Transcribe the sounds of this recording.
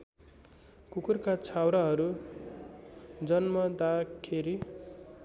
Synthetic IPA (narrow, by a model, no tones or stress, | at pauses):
kukurkat͡sʰawɾaɦʌɾu | d͡zʌnmʌd̪akkʰeɾi